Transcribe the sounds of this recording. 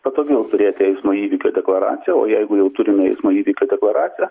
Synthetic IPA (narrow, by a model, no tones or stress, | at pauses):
pɐt̪oːɡʲɛʊt̪ʊɾʲeːt̪ʲɪɛɪsmoːiːʋʲiːkʲoːd̪ʲɛklˠɐɾɑ̰ːt̪ʲɪjɛo̰ːjɛɪɡʊjɛʊt̪ʊɾʲɪmʲɛɛɪsmoːiːʋʲikʲoːd̪ʲɛklˠɐɾɑːt͡ssʲɪjɛ